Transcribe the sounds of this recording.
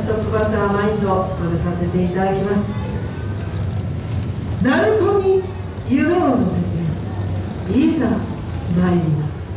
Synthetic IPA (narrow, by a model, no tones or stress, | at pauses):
st̪okɯ̟bat̪amaid̪osomesase̞t̪e̞it̪ad̪akʲimasɨ̥ | naɾɯ̟k̪oɲ̟i | jɯme̞onozet̪e | iza | naiimasɨ̥